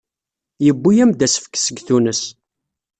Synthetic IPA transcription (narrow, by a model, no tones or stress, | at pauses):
jəbːujæmd̪æsə̥fə̥kːsəɡθunəs